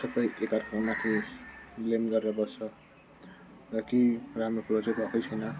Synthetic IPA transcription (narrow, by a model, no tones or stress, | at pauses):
sʌbʌjekarkʰʌmat̪ʰi | lemɡʌɾeɾʌbʌt͡sʰʌ | rʌkeramrokʰuɾbʌt͡sʌbʱʌkʌjt͡sʰʌjnʌ